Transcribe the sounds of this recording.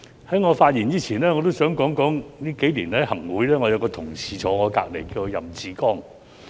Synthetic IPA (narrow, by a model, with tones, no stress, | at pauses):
hɐ˨˥jŋɔː˨˧faː˧t̚jiː˨˩niː˥t͡sʰiː˨˩nɛː˥ŋɔː˨˧t̪o˥wsœː˨˥ŋkɔː˨˥ŋkɔː˨˥ŋliː˥ke˨˥jliː˨˩nɐ˨˥hɐ˨˩ŋwuː˨˥jlɛː˥ŋɔː˨˧jɐ˨˧wkɔː˧t̪ʰʊ˨˩ŋt͡sʰiː˨˧t͡sʰɔː˨˧ŋɔː˨˧ka̰ː˧k̚le˨˩jkiː˧wo˧jɐ˨˩mt͡siː˨kɔː˥˩ŋ